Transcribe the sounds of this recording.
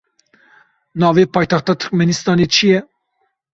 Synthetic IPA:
nɑːvepɑjt̪ɑxt̪ɑt̪ʰɨ̥ɾkmɛnist̪ɑnit͡ʃijɛ

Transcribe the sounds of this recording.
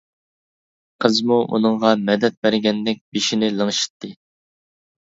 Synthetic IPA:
qʰəzmuʔṵnɨŋʁɑmɛd̪ɛt̪̚bæɾɡʲɛnd̪ɪk̚ʲbiʃinɪlˠəŋʃi̥t̪ʰːɨ

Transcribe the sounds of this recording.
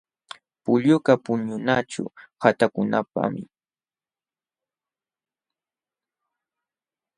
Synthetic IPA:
pʊʎʊkapʊɲʊnaʈ͡ʂʊ̰hat̪akʊnapa̰mɪ̰

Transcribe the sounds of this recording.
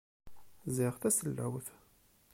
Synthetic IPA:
ziʁθæsəlːæ̰wθ

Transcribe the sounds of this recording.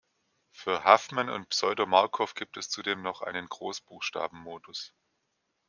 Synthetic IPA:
fyːɐhafmanʊ̰ntpsɔʏdomaɐkʰɔfɡ̥iːp̚tɛst͡sudeːmnɔχʔa̰ɪnənɡ̥ʁoːsb̥uːxʃta̰ːbm̩moːdʊs

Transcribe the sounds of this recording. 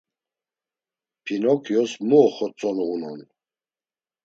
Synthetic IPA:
pʰinɔkʰjɔsmuːχɔt͡sʼɔlɔunɔn

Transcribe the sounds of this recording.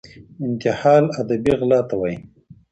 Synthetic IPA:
ɪnt̪ɪhɑːlad̪abiɣlɑːt̪awaj

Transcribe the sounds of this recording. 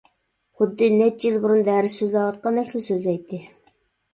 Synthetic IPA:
χʊd̪ːɨnɛt͡ʃːjilbuɾund̪æɾɪsøzlɑwɑt̪̚qɑnɛkʲlɪsøzlɛjt̪ʰːɪ

